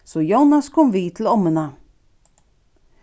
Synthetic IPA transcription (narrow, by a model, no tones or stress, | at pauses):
sɔjuːnaskʰɔmvɪt̪ʰɪlɔmːəna